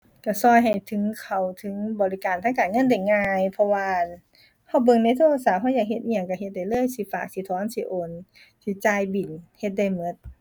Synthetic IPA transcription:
ka˧˩sɔː˧˩jɦa˨˩jt̪ʰɯ˧˨˦ŋkʰa˨˩wt̪ʰɯ˧˦ŋbɔː˨˩li˧˩kaː˨nt̪ʰaː˧˥˨ŋkaː˨˩nŋɤ˧˥˨nda˧˩jŋaː˧jpʰɔ˧waː˧ | ha˧˩wbɤ˧˨ŋna˧˥˨t̪ʰuː˧˥˨ʔoː˧˥saː˨˩˦m̚ɦa˧˩wjaː˧˩k̚he˧t̪̚ɲi˧˩ə˨ŋka˧˩he˧t̪̚da˧˩jlɤː˧˥˨jsi˧˦faː˨˩k̚si˧t̪ʰɔː˧˥˨nsi˧ʔoː˧˩n | si˧˩t͡ɕaː˧˨jbi˨˩nhe˧t̪̚da˧˩jmɤ˧˥t̪̚

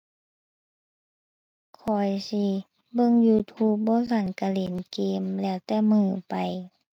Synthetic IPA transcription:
kʰɔ˨˩jsi˧ | bɤ˧˨ŋjuː˧t̪ʰuː˧˦p̚bɔː˧˦sa˧˦nka˧le˨˦nkeː˧mlɛː˧˩wt̪ɛː˧˩mɯː˧˩pa˨j

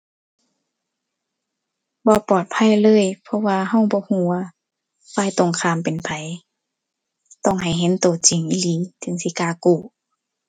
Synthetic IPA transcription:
bɔː˧˦pɔː˨˩t̪̚pʰa˧˨jlɤː˧˥˨jpʰɔ˧waː˧ɦa˧˥˩wbɔː˧˦hu˧˩ɐ | faː˧˩jt̪o˨˩˨ŋkʰaː˧˩mpe˨npʰa˨˩j | t̪ɔ˧˩ŋɦa˨˩jɦe˧˦nt̪oː˨˩t͡ɕi˨˩ŋʔi˧˨liː˨˦t̪ɯ˨˦ŋsi˧˦kaː˧˩kuː˧˩

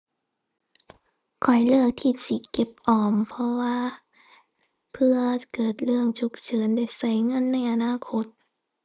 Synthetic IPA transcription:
kʰɔ˨˩jlɯː˧˩ək̚t̪ʰiː˧˩si˨˩ke˧˦p̚ʔɔː˨˩mpʰɔ˧waː˧ | pʰɯ˧ɐkɤː˨˩t̪̚lɯ˧˩əŋt͡ɕʰu˧˦k̚t͡ɕʰɤː˨˦nda˧˩jsa˧˦jŋɤ˧˥˨nːa˧˥˩jʔa˧naː˧˥˨kʰo˧˦t̪̚

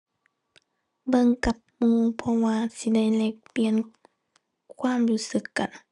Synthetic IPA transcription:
bɤ˧˨ŋka˧˦p̚muː˧˨pʰɔ˧waː˧si˧˦da˥˨jlɛː˧˩k̚pi˧˨ən | kʰwaː˧˥˨mluː˧˥sɯ˧˦kːa˨n

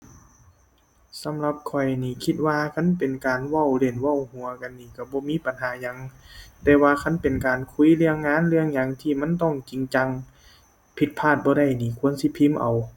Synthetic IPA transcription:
sa˨˦mla˧p̚kʰɔ˨˩jniː˧˩kʰi˧t̪̚waː˧kʰa˧˥˨npe˨nkaː˨nwa˧˩˨wle˧˩˨nwa˧˩˨whu˨˩ɐka˨nːiː˧˩ka˧˩bɔː˧˦miː˧˥˨pa˨nhaː˨˦ɲa˧ŋt̪ɛː˧waː˧kʰa˧˥˨npe˨nkaː˨nkʰu˧˥˨jlɯ˧əŋːaː˧˥˨nlɯ˧əŋɲa˧ŋt̪ʰiː˧˨ma˧˥˨nt̪ɔ˧˥˩ŋt͡ɕi˨ŋt͡ɕa˧ŋ | pʰi˧t̪̚pʰaː˧˩t̪̚bɔː˧˦ɾa˧˩˨jniː˧˩kʰu˧˥ə˨nsi˧˦pʰi˧˥˨mʔa̰˨˩w

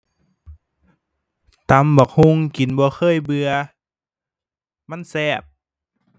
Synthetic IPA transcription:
t̪a˨˦mbɔː˨˩˦k̚ho˧˩˨ŋki˨˦nbɔː˧˦xʰɤː˧˥˨jbɯ˧ɐ | ma˧˥˨nsɛː˧˩p̚

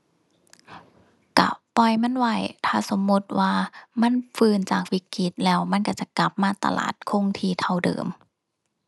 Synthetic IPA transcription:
ka̰˧˩pɔ˧˩jma˧˥˨nwa˧˩jt̪ʰaː˧˩so˨˦mːo˧˥t̪̚wʔaː˧ma˧˥˨nfɯː˧˥˨nt͡ɕaː˨˩k̚wi˧˥kːi˧˩t̪̚lɛː˧˥˩wma˧˥˨nka˧˩t͡ɕa˨˧˩ka˧˦p̚maː˧˥˨t̪a̰˧lʔa̰ː˨˩t̪̚kʰoː˧˥˨ŋt̪ʰiː˧˩t̪ʰa˧˩wdɤ̰ː˨˩m

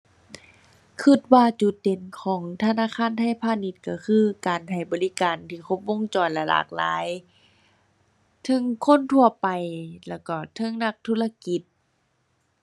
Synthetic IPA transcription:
kʰɯ˧˩t̪̚waː˧˩t͡ɕu˧˩t̪̚de˨˩nkʰɔː˨˩˦ŋt̪ʰa˧naː˧˥˨kʰaː˧˥˨nt̪ʰa˧˥˨jpʰaː˧˨ni˧t̪̚ka˧˩kʰɯː˧˥˩kaː˨nɦa˨˩jbɔː˨li˦˥kaː˨nt̪ʰiː˧˩kʰo˧˥p̚wo˧˥˨ŋt͡ɕɔː˨˩nlɛ˧˩la̰ː˧˩k̚la̰ː˨˦j | t̪ʰɤ˧˥ŋkʰo˧˥˨nt̪ʰu˧˩ɐpa˨˩jlɛ˧˩wkɔ˧˩t̪ʰɤ˧˨ŋna˧k̚t̪ʰuː˧˥˨la˧ki˧˦t̪̚

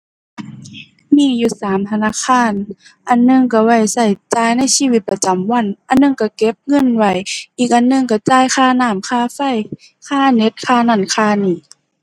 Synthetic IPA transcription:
miː˧˩juː˧˩saː˨˦mt̪ʰa˧naː˧˨kʰaː˧˥˨n | ʔa˧˨nːɯ˧˨ŋka˧˩wa˧˩jsa˧˩jt͡ɕaː˧˨jna˧˥˨jsiː˧˨wi˧˦t̪̚pa˧t͡ɕa˨˦mwa˧˥˨nʔa˧˨nːɯ˧˩˨ŋka˧˩ke˧˦p̚ŋɤ˧˥˨nwa˧˩jʔiː˨˩k̚ʔa˧˨nːɯ˧˨ŋka˧˩t͡ɕaː˧˥˨jkʰaː˧˩naː˧˩˨mkʰaː˧˩˨fa˧˥˨j | kʰaː˧˥˨ne˧˦˥t̪̚kʰaː˧˩˨na˧˩˨nkʰaː˧˥˨niː˧˩

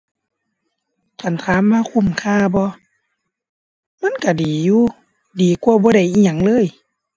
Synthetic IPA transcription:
t̪ʰa˧˩˨nt̪ʰaː˨˦mːaː˧˨kʰu˧˩˨mkʰaː˧˩˨bɔ˧˦ | ma˧˥˨nka˧˩diː˨˩juː˧˨ | diː˨ku˧bɔː˧˦ɾa˧˩˨jʔiː˧˩˨ɲa˧˩˨ŋlɤː˧˥˨j

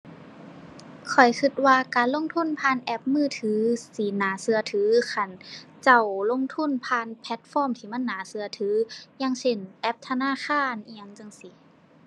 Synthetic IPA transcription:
kʰɔ˨˩jkʰɯ˧˦t̪̚waː˧kaː˨nlo˧˥˨ŋt̪ʰu˧˥˨npʰaː˧˥˨nʔɛ˧˥p̚mɯː˧˥˩t̪ʰɯː˨˦siː˨˦naː˨˦sɯ˧ɐt̪ʰɯː˨˦xʰa˧˩nt͡ɕa˧˩wlo˧˥˨ŋt̪ʰu˧˥˨npʰaː˧˨npʰɛ˧˥t̪̚fɔː˧˥˨mt̪ʰiː˧˩ma˧˥˨nːaː˨˦sɯ˧ɐt̪ʰɯː˨˦ja˧˥˨ŋse˧˩nʔɛ˧˥p̚t̪ʰa˧naː˧˥˨xʰaː˧˥˨n˧a˧˨ŋt͡ɕa˧˨ŋsi˧˦

